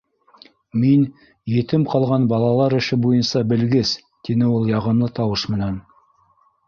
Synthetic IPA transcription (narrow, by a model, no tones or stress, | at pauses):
men | jet̪ɪmqʰɑlˠʁɑnbɑlˠɑlˠɑɾɪ̆ʃɪbojənsɑbɘ̆lɡɪs | t̪enɪwolˠjɑʁɤ̆mlˠət̪ʰɑwəʃmɘ̆næn